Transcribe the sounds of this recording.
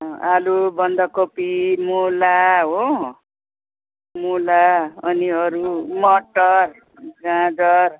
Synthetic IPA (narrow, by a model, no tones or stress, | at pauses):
ʌalubʌnd̪ʌkopimulaɦo | mulaʌniʌɾumʌʈʌr | ɡãd͡zʌr